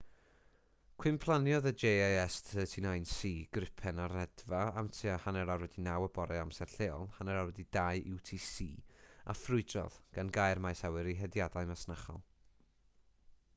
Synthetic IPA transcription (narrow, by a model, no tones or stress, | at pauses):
kʰwɪmpʰlˠanjɔðəd͡ʒejajɛstʰətʰinajnsiːɡ̥rɪpʰɛnarɛdvaamtʰiahanɛɾaɾwɛdinawəbɔɾɛamsɛrɬeːɔ̰lˠhanɛɾawɛdidajʔɪwtʰiːsiːa̰frʊɨdrɔ̰ðɡ̥anɡajrmajsawɪɾiɦɛdjadajmasnaχɔ̰lˠ